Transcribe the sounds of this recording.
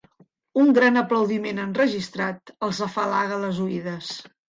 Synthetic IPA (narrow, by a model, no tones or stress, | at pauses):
uŋɡɾanəpləwðimenənrəʒist̪ɾat̪əlˠzəfalaɣələzuiðəs